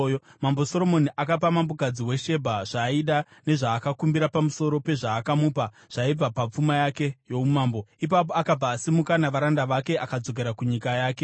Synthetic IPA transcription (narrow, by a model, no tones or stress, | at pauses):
mambo̞so̞ɾo̞mo̞niʔakap̬amambokad͡ziwe̞ʃe̞bʱaʐ̥aiɗane̞ʐaːkakumbiɾapamuso̞ɾo̞pe̞ʐaːkamuːpa | ʐ̥aib͡vapap͡fumajake̞jo̞umaːmbo̞ip̬ap̬o̞akab͡vaːsimukanaʋaɾandaʋake̞ʔakad͡zo̞k̬e̞ɾakuɲikajaːke̞